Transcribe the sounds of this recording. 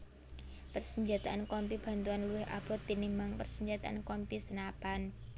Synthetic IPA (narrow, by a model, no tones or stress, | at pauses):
pərsəɲd͡ʒat̪aʔankɔmpib̥a̤nt̪uanluwɪhʔa̰b̥ɔt̪ːinimbaŋpərsəɲd͡ʒat̪aʔankɔmpisənapan